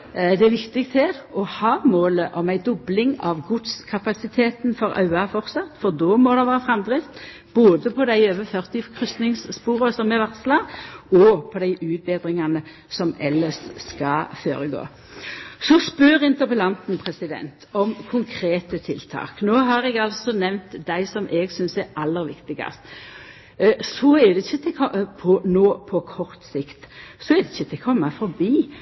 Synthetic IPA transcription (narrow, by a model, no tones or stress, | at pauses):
d̪ɛæʋɪkt̪ɪɡt̪ʰæʁɔhɑːmoːləʔɔmæɪd̪ɔblɪŋɑʋɡʊd̪skʰɑpɑsɪt̪ʰeːt̪nfɔɾɑ̰ʉɑfɔɾt̪sɑt̪fɔd̪oːmɔd̪ɛʋæːʁəfʁɑmd̪ʁɪft̪ | b̥oːd̪əpʰɔd̪æɪøːʋəfœʁt̪ɪkʰʁʏst̪nɪŋsːpuːɾəsɔmːɛʋæʁt̪slɑːɔpʰɔd̪æɪʔʉːt̪̚beːd̪ʁɪŋɑnə | sɔmɛ̰lːəsskɑføːɾəɡo̰ː | sɔspøɾɪnt̪əpəlɑnt̪n̩pʰʁɛsɪd̪ɛ̰nt̪ʰɔmkʰʊŋkʰɾeːt̪ət̪ʰɪlt̪ʰɑ̰ːknoːɦɑɾɛɡɑlsɔnɛʋnt̪d̪æɪsɔmʔɛːɡsʏnsæɾʔɑlːəɾʋɪkt̪ɪɡɑ̰st̪ | sɔæd̪ɛɪçːət̪ʰɛkʰɔpʰɔnoːpʰɔkʰɔɾt̪sɪkt̪sɔɛd̪ɛɪçːət̪ʰɛkʰɔmːɑfɔɾbiː